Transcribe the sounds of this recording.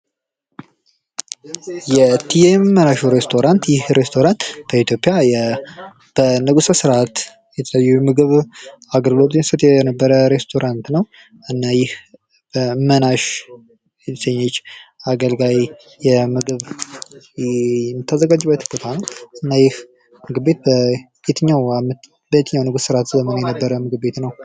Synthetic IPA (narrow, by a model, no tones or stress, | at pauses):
jɛt̪ʰiɛjmmːənaʃuɾest̪ʰo̞ɾant̪jɪhɾest̪ʰo̞ɾant̪b̥əit̪ʰjo̞pʼːjaj | b̥ənəɡʼusəsɨɾat̪ | jɛt̪ʰələjːumɨɡɨβaɡəlɡlo̞t̪jɛsət̪jɛnəbːəɾəɾe̞st̪ʰo̞ɾʔant̪nəw | ɨnːajɪh | bəmənaʃ | səɲːɛt͡ʃːaɡəlɡaj | jɛmɨɡɨβ | jmːɨt̪ʰːəzəɡad͡ʒɨbːət̪ʰɨkːot̪ʰanəwɨnːajɪh | mɨɡɨbbet̪̚bə | jet̪ʰəɲːawamt̪ | bəjet̪əɲːawnəɡussɨɾat̪zəmənajɛnəbːəɾəmɨɡɨbbe̞t̪nəw